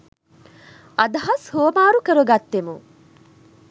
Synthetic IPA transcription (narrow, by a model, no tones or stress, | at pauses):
ɐd̪ɐɦɐshuʋɐmaːɾukəɾuɡɐt̪ːemu